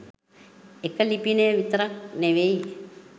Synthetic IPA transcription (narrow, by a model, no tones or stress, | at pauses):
ekəlipinejʋit̪ɐɾak̚neʋei